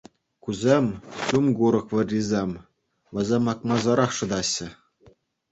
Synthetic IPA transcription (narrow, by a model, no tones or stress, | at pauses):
kuzʲemʲɕumɡuɾɤ̆kʋʲɘ̆rʲːizʲemʲ | ʋɤ̆zʲemɑk̚mɑzɤɾɑχʂɤ̆d̪ɑɕːɘ̆